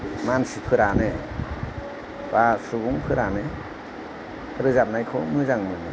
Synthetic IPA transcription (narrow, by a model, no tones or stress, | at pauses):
mansipʰɯɾane | b̥asubuŋpʰɯɾane | ɾɯzap̚najkʰɔmɯzaŋmɯnɯ